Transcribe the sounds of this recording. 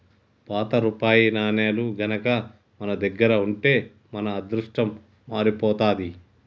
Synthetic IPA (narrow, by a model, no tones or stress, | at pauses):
paːt̪ɐɾupaːjinaːneːluɡʱɐnɐkɐ | mɐnɐd̪ɐɡːɐɾɐuɳʈe̞ː | mɐnɐːd̪ɾuʂʈɐmː | aːɾipɔːt̪aːd̪i